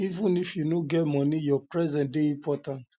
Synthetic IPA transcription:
ivũnifjunoɡɛtmɔ̃nijɔpɹɛzɛ̃ntdeĩmpʰɔtãnt

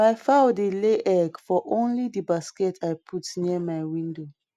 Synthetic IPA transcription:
maɪfaʊdeleʔɛɡfɔʔõnlidibaskɛtʰajpʰutniəmaɪwĩndo

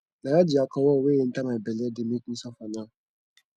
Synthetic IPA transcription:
najad͡ʒɪakʰɔwɔweːjen̩tamaebɛlɛdɪmikusafana

